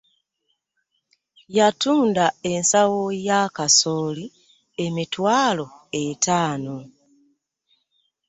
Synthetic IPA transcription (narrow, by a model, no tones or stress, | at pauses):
jatuːndae̞nsawojakasoːli | e̞mitwaːlo̞etaːno